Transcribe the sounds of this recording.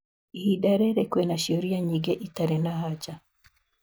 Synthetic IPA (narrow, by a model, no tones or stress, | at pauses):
ihidaɾeɾekwenaʃoɾijaɲiɡeʔitaɾenahaɟa